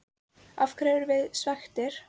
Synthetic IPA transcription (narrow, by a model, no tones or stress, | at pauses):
afkʰɾɛːvʏɾvɪðsvaxt̪ɪɾ̥